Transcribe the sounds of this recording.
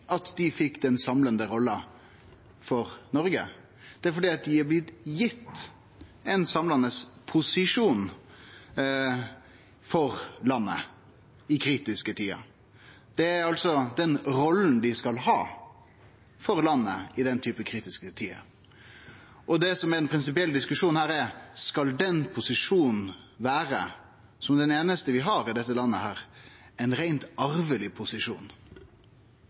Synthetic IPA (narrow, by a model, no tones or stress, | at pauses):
ʔɑt̪d̪ɪfɪkːd̪ɛnsɑmlənd̪əɾɔlːə | fɔɾnɔɾɡə̰ | d̪̥ɛæɾfɔɖ̪iːɑt̪̚d̪ɪhɑblɪt̪jɪt̪ː | ɛnsɑmlɑnəspʰʊsɪʂuːn | fɔɾlɑnːə̰ | ɪkʰɾiːt̪ɪskət̪ʰiːɑ̰ | d̪̥ɛæɾɑlt̪sɔd̪ɛnɾɔlːn̩d̪ɪskɑlɦɑ̰ː | fɔɾlɑnːə̰ɪd̪ɛnt̪ʰyːpəkʰɾiːt̪ɪskət̪ʰiːɑ̰ | ʔɔd̪ɛsɔmæɾɛnpʰɾɪnsɪp̬ɪɛld̪ɪskʉʂuːnhæːɾɛɾskɑld̪ɛnpʰʊsɪʂuːnn̩ | ʋæːɾə | sɔmd̪ɛneːnəst̪əʋɪɦɑɾɪd̪ɛt̪ːəlɑnːəhæːɾɛɪnɾæɪnt̪ɑɾʋəlɪpʰʊsɪʂṵːn